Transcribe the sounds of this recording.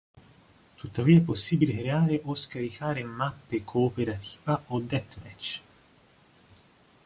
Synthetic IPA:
t̪ut̪ːaviːaɛpːosːiːbilekɾeaːɾeʔoskaɾikʰaːɾemapːekʰoːpeɾat̪ʰi̥ːvaod̪ɛt̪mɛt͡ʃː

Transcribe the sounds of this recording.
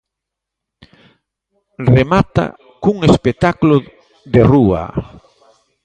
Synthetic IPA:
remat̪a̰ | kuŋespet̪aklo | ðerua̰

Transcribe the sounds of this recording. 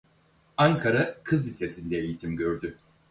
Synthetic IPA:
aŋkʰaɾakʰɯzisesinʲd̪ɛejit̪ʰimɟøɾd̪y

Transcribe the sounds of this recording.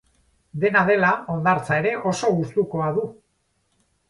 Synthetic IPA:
d̪e̞naðe̞lao̞nd̪aɾt͡sae̞ɾe̞ʔo̞so̞ɣust̪uko̞aðu

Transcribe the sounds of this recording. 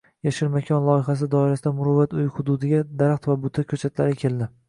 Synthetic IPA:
jaʃɪɾmakʲʰɒnlˠɒɪχas̬ɪd̪ɒɪɾasɪd̪amʊɾʊvːat̪ʊjhʊd̪ud̪ɪɡʲad̪aɾaχt̪vabʊt̪ʰakʲʰɵt͡ʃʰat̪laɾɪkʲʰe̞ld̪ɪ

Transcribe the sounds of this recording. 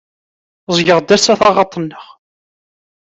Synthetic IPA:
zˤjəʁd̪æsæθɑʁɑt̪ˤənːəʁ

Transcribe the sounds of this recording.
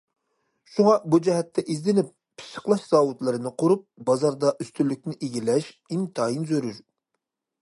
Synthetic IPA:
ʃuŋɑbud͡ʒɛɦɛt̪ʰːɛʔizd̪ɪnɪp̚ːʰi̥ʃə̥χlˠɑʃz̥ɑːwut̪lˠɨɾɨnɨqʰoɾup̚bɑzɑɾd̪ɑʔyst̪ʰylːyk̚ʲnɪʔeɡʲilɛʃ | imt̪ʰɑːjinzøɾyɾ

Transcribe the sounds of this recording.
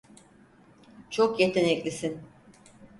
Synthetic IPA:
t͡ʃʰokje̞t̪ʰenɛclʲisin

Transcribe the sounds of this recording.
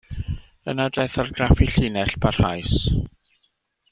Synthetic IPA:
ənadajθarɡrafiɬɪnɛɬpʰar̥hajs

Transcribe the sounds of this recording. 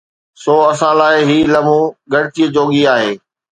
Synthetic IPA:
soːɐsãlaːɪɦiːlɐmũɡɐɽɪt̪iəd͡ʑoːɠiaːɦeː

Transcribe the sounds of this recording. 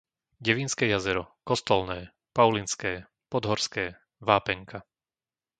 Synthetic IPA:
ɟɛʋinskɛːjazɛɾɔkɔst̪ɔlnɛː | paʊlinskɛː | pɔd̪ɦɔɾskɛː | ʋaːpɛŋkʰa

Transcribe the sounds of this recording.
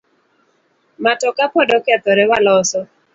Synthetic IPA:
matɔkapɔdɔkɛt̪ɔɾɛwalɔsɔ

